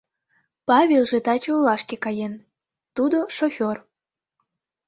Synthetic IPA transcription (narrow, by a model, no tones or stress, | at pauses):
pɑβʲelˠʒet̪ɑt͡ɕoolɑʃkekɑjen | t̪ud̪oʃofʲor